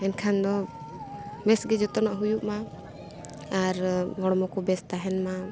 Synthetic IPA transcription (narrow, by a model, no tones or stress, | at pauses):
ɛnkʰand̪ɔ | mɛsɡɛd͡ʒɔt̪ɔnaʔɦujuʔma | aɾɡɔɽɔmɔkɔbɛst̪aɦɛnma